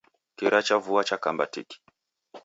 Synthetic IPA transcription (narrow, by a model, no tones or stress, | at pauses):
kiɾat͡ʃavuat͡ʃakambatḭki̥